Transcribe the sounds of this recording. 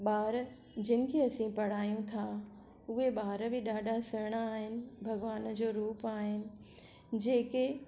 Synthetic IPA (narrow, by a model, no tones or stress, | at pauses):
ɓaːɾ | d͡ʑɪnɪ̆kʰeɐsĩpɐɽ̤aːjũt̪ʰa | ʊɦeɓaːɾbɪɗaːɖʱasɐɾɽ̃aːɦɪnɪ̆bʱɐɡʋaːnd͡ʑoːɾuːpaːɦɪnɪ̆ | d͡ʑeːke